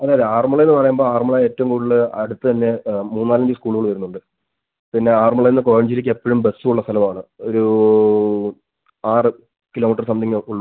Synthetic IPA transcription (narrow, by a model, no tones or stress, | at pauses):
ɐðejɐðeːaːrmɐɭɐenːɨpɐrɐjaːmbo̞ːaːrmɐɭɐeːtːɐʋumŋkuːɽiɭɨɐɽut̪ːɨt̪ɐnːe̞muːnːaːlɐɲd͡ʑɨskuːɭuɣɐɭʋɐɾunːuɳɖɨ | pinːe̞aːrmɐɭɐjenːɨko̞ːɐɳd͡ʑilikʲːe̞pːɐɻumbesːuuɭːɐst̪ʰɐlɐmaːɳɨo̞ɾu | aːrɨ | kilo̞ːmiʈːɐrsɐmd̪iŋːɐuɭːu